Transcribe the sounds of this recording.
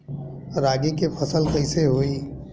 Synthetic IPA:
ɾaːɡekefʰɐsəlkəɪseɦoːiː

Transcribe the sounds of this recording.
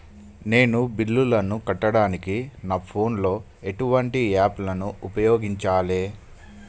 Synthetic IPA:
ne̞ːnubilːulɐnukɐʈːɐɽaːnikinaːpʰo̞ːnlo̞ː | e̞ʈuʋɐɳʈiaːplɐnuʔupɐjoːɡiɲt͡ʃaːleː

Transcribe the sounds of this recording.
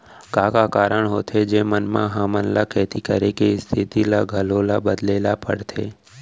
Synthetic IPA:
kaːkakaːɾəɽɦoːt̪ʰed͡ʒeːmənmã̰ɦaːmənlakʰɛːt̪ʰikəɾekest̪ʰɪt̪ilaɡʱəloːlabəd̪leːlapə̰ɽt̪ʰḛː

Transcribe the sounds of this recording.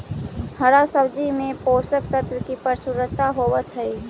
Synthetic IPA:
həɾasəbd͡ʒimẽpoːsək̚t̪ət̪wəkipəɾsʊɾət̪aɦoːʋət̪ɦəi

